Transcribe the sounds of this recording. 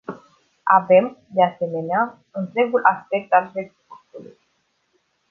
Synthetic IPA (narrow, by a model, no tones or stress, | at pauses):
a̰ve̞md̪ease̞me̞nea | ɨnt̪ɾe̞ɡulʔaspe̞k̚t̪alɾeɡput̪ulṵj